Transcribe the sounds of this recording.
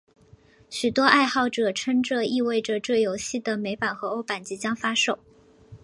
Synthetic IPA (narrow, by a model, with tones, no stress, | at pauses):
ɕy˨˩t̪wɔ˥ʔa˥˧ɪxɑ˥˩ʊʈ͡ʂɤ˨˩ʈ͡ʂʰə˥ŋʈ͡ʂə˧i˥˧we˥˩ɪʈ͡ʂə˨˩ʈ͡ʂɤ˥˩jo˧˥ʊɕi˥˩d̪ə˩me˧˥ɪpa˨˩nxɤ˧˥o˥ʊpa˨˩nt͡ɕi˧˥t͡ɕjɑ˥ŋfa˥ʂo˨˩˦ʊ